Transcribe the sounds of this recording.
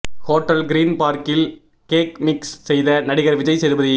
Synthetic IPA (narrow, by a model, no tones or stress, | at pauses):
hoːʈːɐlɡɪɾiːnpaːɾkɪl | keːkmɪkssɛjðɐnɐɽɪɣɐɾʋɪd͡ʒɐɪsɛɾɯbɐðɯ